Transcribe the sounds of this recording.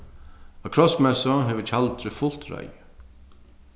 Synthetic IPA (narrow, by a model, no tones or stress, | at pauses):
akʰɾɔsmɛsɔɦɛʋət͡ʃʰalt̪ɾɪfʊl̥t̪ɾa̰jə